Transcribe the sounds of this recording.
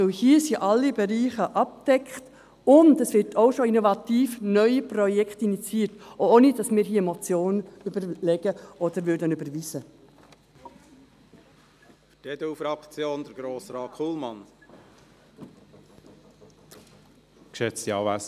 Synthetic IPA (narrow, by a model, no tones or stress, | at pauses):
ɔhiəsiʔɑlːibɛɾiːχəʔɑp̚d̥ɛkχt | ʊndəsʋɪɾtʰoʊʃoinovɑtiːfnœʏipɾɔjɛkχtinit͡siːətoonidɑsmɪːɾɦiːəmɔt͡sjoːnybəɾlɛɡ̥əʔɔd̪əɾʋʏɾdənybəɾʋisə | ftɛd̪əufɾɑkt͡sjoːnd̪əɾɡɾoːsɾɑːkʰulmɑn | kʃɛt͡stiɑːvæs